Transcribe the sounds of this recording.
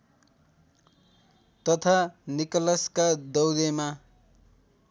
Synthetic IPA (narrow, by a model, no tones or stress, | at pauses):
t̪ʌt̪ʰanikʌlʌskad̪ʌwɡema